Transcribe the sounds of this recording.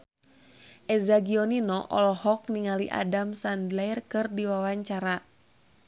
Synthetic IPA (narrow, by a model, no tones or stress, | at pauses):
ʔɛzaɡiɔninɔʔɔ̰lɔhɔk̚niŋaliʔa̰damsandlajrkɨrdiwawaɲt͡ʃaɾa